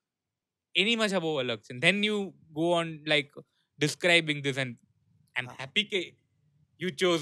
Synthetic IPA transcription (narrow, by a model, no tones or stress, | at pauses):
ɛnimʌt͡ʃaboələksɛ̃nd̪ɛ̃njuː | ɡoːɔ̃nlaɪk | ɖɪskɾaɪbɪ̃ŋd̪ɪs̬ɛ̃n | ãɪ̃mmhæpike | jut͡ʃoːz